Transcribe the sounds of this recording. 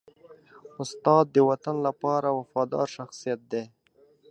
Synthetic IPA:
ʊst̪ɑd̪ːəwat̪anlapɑɾawafɑd̪ɑ̰ɾʃaxsijat̪̚d̪e

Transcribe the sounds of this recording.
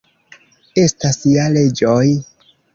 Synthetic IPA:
e̞stasiale̞d͡ʒoj

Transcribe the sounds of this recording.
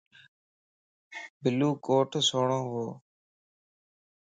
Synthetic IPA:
bɪluːkoːʈʰsoːɳõːɦoː

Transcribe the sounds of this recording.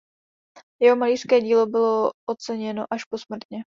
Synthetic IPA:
jɛɦo̞maliːr̥skɛːɟiːlo̞bɪlo̞ʔot͡sɛɲɛno̞ʔaʃpo̞smr̩t̪ɲɛ

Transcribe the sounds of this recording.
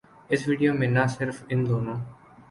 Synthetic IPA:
ɪsʋiːɖijoːmẽːnaːsɪɾfɪ̃nd̪oːnõː

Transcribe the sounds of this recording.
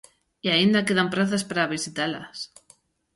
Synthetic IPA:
iaind̪akeðampɾaθaspaɾaβisit̪ala̰s

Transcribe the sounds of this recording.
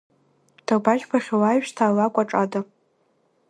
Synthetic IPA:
d̥ʰabaʒbʰaχʲawaɥʃtʰaːlakʷʼaʈ͡ʂʼada

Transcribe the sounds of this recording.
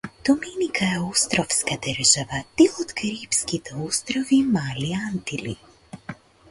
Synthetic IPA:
d̪̥ɔmeːnikʰajɛost̪ɾɔwskad̪əɾʒaʋat̪iɔt̪kaɾipskit̪ɛost̪ɾɔvimaːliant̪ilḭ

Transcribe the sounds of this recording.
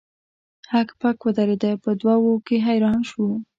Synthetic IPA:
hakpakwəd̪aɾed̪əpəd̪wawokeɦajɾɑnʃwu

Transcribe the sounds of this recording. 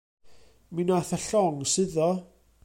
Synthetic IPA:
minaθəɬɔŋsɨðɔ

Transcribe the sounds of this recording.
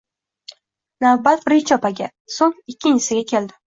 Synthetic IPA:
navbat̪ɾet͡ʃʰɒpʰaɡʲa | soŋɪkʲʰːɪnt͡ʃɪsɪɡʲakʲʰe̞ld̪ɪ

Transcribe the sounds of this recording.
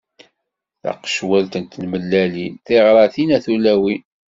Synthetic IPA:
θɑ̰qʃwælt̪ənt̪nməlːæliθeʁɾˤɑθinæθulæwi

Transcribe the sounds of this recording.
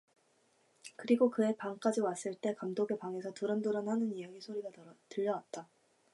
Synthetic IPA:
kɯɾiɡokɯe̞paŋk͈ad͡ʑiwas͈ɯɭt͈e̞kamdoɡe̞paŋe̞sʰʌtuɾʌnduɾʌnɦanɯnijaɡisʰoɾiɡatɯʎːʌwat̚t͈a

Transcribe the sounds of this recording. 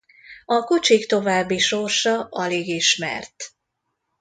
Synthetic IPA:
ɒkut͡ʃikt̪o̞vaːbːiʃorʃɒʔɒleːɡiʃmɛ̰rt̪

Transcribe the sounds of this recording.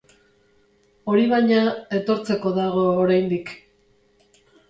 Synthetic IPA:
o̞ɾiβ̞ajɲae̞t̪o̞ɾt͡se̞ko̞ðaɣ̞o̞ːɾajnd̪ik

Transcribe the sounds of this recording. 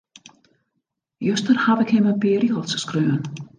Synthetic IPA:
jœst̪əɾhavɪkheːmapɛːɾiɔlt̪sskɾœːvʏn

